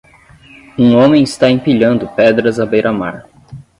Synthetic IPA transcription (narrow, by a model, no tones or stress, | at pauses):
ũõmẽj̃ɪst̪aĩpiʎɐ̃nd̪ʊpɛd̪ɾɐzɐbejɾʔɐmaɾ